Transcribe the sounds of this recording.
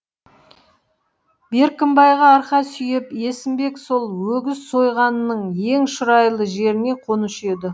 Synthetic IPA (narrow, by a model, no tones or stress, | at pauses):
be̞ɾkʲɪmbɑjʁɑːɾqɑsʏjɪpe̞sɪmbe̞kso̞lˠwɵɡʲɪzso̞jʁɑnənəɴje̞ŋʃʊɾɑjlˠəʒe̞ɾɪne̞qʰo̞nəʃe̞d̪ɪ